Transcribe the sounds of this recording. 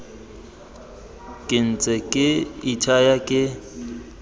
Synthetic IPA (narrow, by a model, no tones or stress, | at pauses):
kʼɪn̩t͡sʼɛkʼɪitʰajakʼɪ